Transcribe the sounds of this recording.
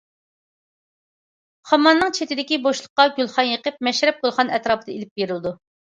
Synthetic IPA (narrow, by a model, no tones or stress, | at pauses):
χɑmɑnːɨŋt͡ʃʰet̪ɪd̪ɪkʲiboʃlˠəqːɑɡʲylˠχɑnjəqəp̚mɛʃɾɛp̚ɡolˠχɑnɛt̪ɾɑːpɨd̪ɑelɪp̚beɾɪlˠɪd̪u